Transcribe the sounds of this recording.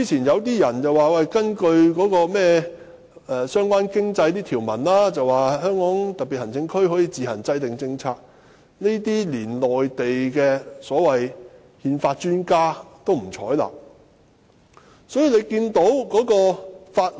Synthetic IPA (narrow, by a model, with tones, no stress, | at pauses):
iː˧˥t͡sʰiː˨˩njɐ˨˧wt̪̬iː˥jɐ˨˩nt͡sɐ˨waː˨wɛ˨˩jkɐ˥nkɵ˧ɥkɔː˨˥kɔː˧mɛː˥ | ɛ˨˩sœː˥ŋkʷwaː˥nkɪ˥ŋt͡sɐ˧jt̪iː˥t̪ʰiː˨˩wmɐ˨˩nlaː˥t͡sɐ˨waː˨˩ɦœː˥ŋkɔː˨˥ŋt̪ɐ˨k̚piː˨t̚hɐ˨˩nt͡sɪ˧ŋkʰɵ˥ɥɦɔː˨˥jiː˧t͡siː˨˧hɐ˨˩nt͡sɐ˧jt̪ɪ˨ŋt͡sɪ˧ŋt͡sʰaː˧t̚ | ne˥t̪iː˥liː˨˩nlɔː˨˩jt̪e˨jkɛː˧sɔː˨˥wɐ˨j | hiː˧nfaː˧t̚t͡ʃyː˥nkaː˥t̪o˥wm̩˨˩t͡sʰɔ̰ː˨˥jla̰ː˧ | sɔː˨˥jiː˧le˨˧jkiː˧nt̪o˨˥wkɔː˨˥kɔː˧faː˧t̚